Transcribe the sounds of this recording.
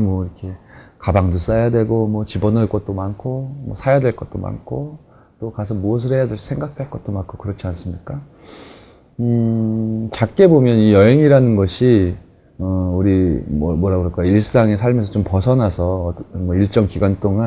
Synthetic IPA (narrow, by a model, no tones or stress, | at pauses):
mwʌiɾʌkʰe̞kabaŋdos͈ajadwe̞ɡomwʌt͡ɕibʌnʌɭk͈ʌt̚t͈omankʰomwʌsʰajadwe̞ɭk͈ʌt̚t͈o̰ma̰nkʰo | t͈okasʰʌmuʌs̬ʰɯɾɦejadwesʰe̞ŋɡak̚ʰaɭk͈ʌt̚t͈omankʰokɯɾʌt͡ɕʰians͈ɯmɲik͈a | ɯ | t͡ɕak̚k͈e̞bomjʌnijʌɦe̞ŋiɾanɯnɡʌɕʰi | ʌuɾimʌmwʌɾaɡɯɾʌk͈aiɭs͈aŋe̞sʰaɭmesʰʌt͡ɕompʌsʰʌnasʰʌːnmʌiɭt͡ɕ͈ʌŋkiɡwant͈oŋan